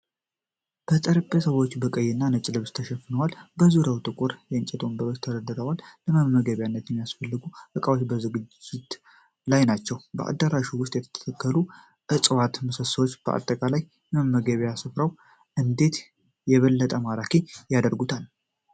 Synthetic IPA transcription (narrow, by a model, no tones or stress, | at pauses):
b̥ət̪ʼəɾɨbesəwo̞t͡ʃːbəkʼəjːɪnːanət͡ʃʼːlɨβst̪ʰəʃɛfɨnəwalbəzuɾawt̪ʼɨkʷʼuɾjɛɨnt͡ʃʼɛt̪ʰo̞mbəɾost̪ʰəd̪əd̪ɨɾəwalːəməmːəɡəβjanːət̪jɛmːijasfəlːɨɡuʔɨkʼawot͡ʃːbəzɨɡɨd͡ʒɪt̪ | lajnat͡ʃːɛwbə̰ʔa̰d̪ːəɾaʃuwʊst̪ʼjɛt̪ʰə̥t̪ʰt̪ʰəkʰːəlu | ʔɨt͡sʼwat̪məsəsəwot͡ʃːb̥əʔa̰t̪ʼːəkʼalaj | məmːəɡəβjasɨfɾaw | ʔɨnd̪e̞t̪ | jɛβəlːət̪ʼəmaɾakʰejad̪əɾɡut̪ʰal